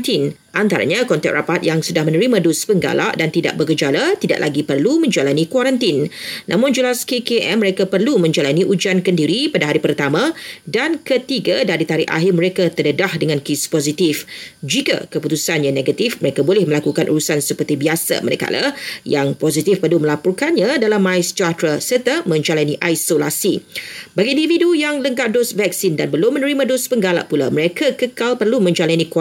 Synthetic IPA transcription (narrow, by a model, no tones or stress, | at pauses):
t̪in | ʔant̪aɾa̰ɲãkɔnt̪ɛk̚rʔapat̪̚jaŋsudahmə̃nə̃ɾimãdospəŋɡa̰la̰ʔdant̪ida̰ʔ̚bəkəd͡ʒalat̪ida̰ʔlʔa̰ɡipərlumə̃ɲd͡ʒalanikwaɾant̪inːʔã̰mʊ̃nd͡ʒəlaskekeʔɛmːə̃ɾekapərlumə̃ɲd͡ʒalaniʔud͡ʒankəndiɾipadaɦaɾipərt̪amãdankət̪iɡadaɾit̪aɾɪʔa̰ɦimə̃ɾekat̪ərdədahdəŋãnkispozit̪ifd͡ʒika̰kəput̪usanjãneɡat̪ifməɾekabolɪhməlakukanʔṵɾusansəpərt̪ibiasa̰ma̰naka̰la̰jaŋpozit̪ifpərlumə̃lapɔrkanɲãdalamːãɪst͡ʃat̪ɾəsərt̪amə̃ɲd͡ʒalaniʔajsolasibaɡiːndividujaŋləŋkaʔ̚dʊsvɛk̚sindanbəlʊmːə̃nəɾimãdospəŋɡala̰ʔpula̰məɾekʰakəkalpərlumə̃ɲd͡ʒalanik